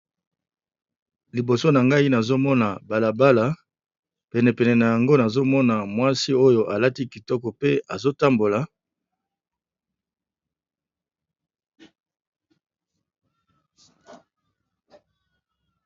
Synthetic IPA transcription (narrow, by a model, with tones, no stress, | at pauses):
li˨bo˨so˦na˨ŋɡa˦i˦na˨zo˦mɔ˦na˨ba˨la˨ba˦la˨ | pɛ˨nɛ˨pɛ˨nɛ˨na˨ja˨ŋɡo˦na˨zo˦mɔ˦na˨mwa˦si˦o˦jo˨ʔa˨la˦ti˦ki˨tɔ˦kɔ˨pe˦a˨zo˦ta˦mbo˨la˨